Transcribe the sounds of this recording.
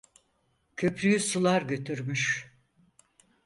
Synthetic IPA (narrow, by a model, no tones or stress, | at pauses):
cʰø̞pʰɾyjysulˠaɾɟø̞t̪ʰyɾmyʃ